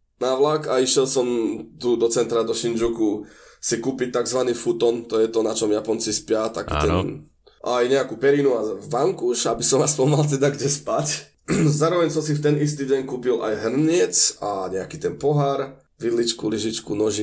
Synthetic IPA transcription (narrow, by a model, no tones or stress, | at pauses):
naʋlakaiʃjɛlˠsɔmt̪ud̪ɔt͡sɛnt̪ɾad̪ɔʃind͡ʒukusikuːpic̚t̪aɡzʋaniːfut̪ɔnt̪ɔjɛt̪ɔnat͡ʃɔmjapɔnt͡sispɪat̪akḭːt̪ɛn | ʔajɲɛakupɛɾinuaʋaŋkuʃabisɔmaspɔmalt̪̬ɛd̪aɡɟɛspac | zaːɾɔʋɛɲsɔmsift̪ɛnist̪iːɟɛɲkuːpila̰jɦr̩ɲɪɛt͡saɲɛakiːt̪ɛnpɔɦaɾ | ʋid̪lit͡ʃkuliʒit͡ʃkunɔʒi